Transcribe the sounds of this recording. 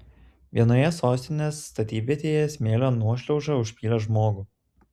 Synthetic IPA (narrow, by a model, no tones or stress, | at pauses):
ʋʲiɛnoːjɛsoːsʲt̪ʲɪnʲeːsːt̪ɐt̪ʲiːbʲet̪ʲeːjɛsʲmʲeːlʲoːnuɔʃʲlʲɛʊʒɐʊʃʲpʲiːlʲɛʒmoːɡuː